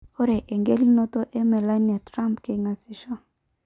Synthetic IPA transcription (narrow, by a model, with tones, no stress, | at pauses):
o˦ɾe˨ʔe˨ŋɡe˦li˦no˦to˦ʔe˦mɛ˨la˦na˨tɾa˦mpke˨ŋa˨si˦ʃo˦